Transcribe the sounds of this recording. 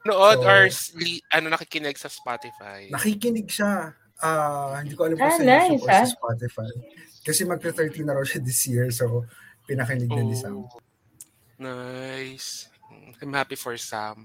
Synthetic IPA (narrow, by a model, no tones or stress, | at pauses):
noʔod̪aɹsliʔɐnonɐkikɪnɛɡsɐspat̪ɪfa̰jnɐkikɪnɪɡ̚ʃa | ʔaːhɪnd̪iːkoʔɐlamanajsspat̪ɪfajkɐsɛmɐɡ̚t̪ɐt̪ɛɹt̪inɐɾɐwʃɐd̪ɪsjiɹs̬opɪnɐkɪnɪɡ̚nɐnɪsa̰m | najs̩ãjmhapifɔɹsa̰m